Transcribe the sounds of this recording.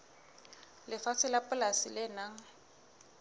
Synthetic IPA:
lɪfat͡sʰɪlapʼʊlasilɪnaŋ̩

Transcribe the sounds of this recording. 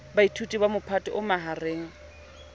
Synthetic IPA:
baitʰutʼibamʊpʰatʼɔʔʊmaɦareːŋ̩

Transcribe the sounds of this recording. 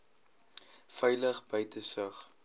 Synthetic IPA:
fœjləχbəjtʰəsəχ

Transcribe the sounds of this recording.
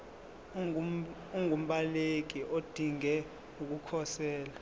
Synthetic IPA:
uŋʱum̩ɓalek̬iʔod̥ʱiŋɛ | uk̬ukʰɔsɛːla

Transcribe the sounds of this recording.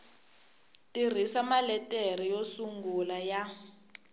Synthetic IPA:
tir̤isamalɛtʼer̤ijosuŋɡulaja

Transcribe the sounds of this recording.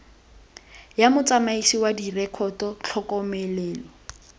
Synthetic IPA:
jamʊt͡samaisiwadirɛkʰɔtɔt͡ɬʰɔkɔmɛlɛːlɔ

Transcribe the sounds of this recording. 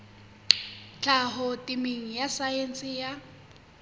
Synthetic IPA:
t͡ɬʼaɦʊtʼimiŋ̩jasajensʼɪja

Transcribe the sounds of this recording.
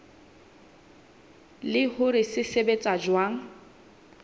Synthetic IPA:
lɪhʊɾɪsɪsebet͡sʼad͡ʒwaːŋ̩

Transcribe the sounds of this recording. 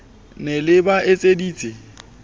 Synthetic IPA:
nɪlɪbaʔet͡sʼediːt͡sʼɪ

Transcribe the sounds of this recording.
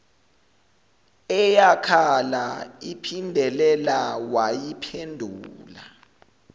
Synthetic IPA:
ɛjakʰalaipʰindʱɛlɛlawajipʰendʱuːla

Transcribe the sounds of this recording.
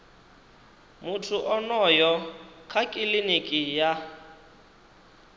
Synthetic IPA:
mʊtʰuʔɔnɔjɔkʰakʼilinikʼija

